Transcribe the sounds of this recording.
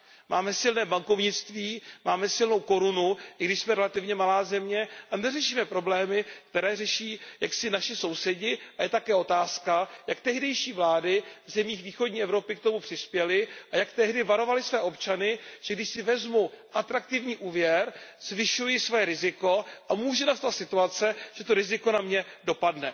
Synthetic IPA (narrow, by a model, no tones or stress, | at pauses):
mʔaːmɛsɪlnɛːbaŋko̞vɲɪt͡st̪viːmaːmɛsɪlno̞wko̞ɾunuʔɪɡdɪʃsmɛɾɛlat̪ɪvɲɛmalaːzɛmɲɛʔanɛrɛʃiːmɛpɾo̞blɛːmɪk̚t̪ɛɾɛːrɛʃiːjaksɪnaʃɪso̞wsɛɟɪʔajɛt̪akɛːo̞t̪aːskajak̚t̪ɛɦdɛjʃiːvlaːdɪvzɛmɲiːxviːxodɲiːʔɛvɾo̞pɪk̚t̪o̞mupr̝̥ɪspjɛlɪʔajakt̪ɛɦdɪvaɾo̞valɪsvɛːʔo̞pt͡ʃanɪʒ̥ɛɡdɪʃsɪvɛzmuʔat̪ɾak̚t̪ɪvɲiːʔuːvjɛɾz̥vɪʃujɪsvojɛɾɪzɪko̞ʔamuːʒɛnast̪at̪sɪt̪uat͡sɛʒ̥ɛt̪o̞ɾɪzɪko̞namɲɛdo̞padnɛ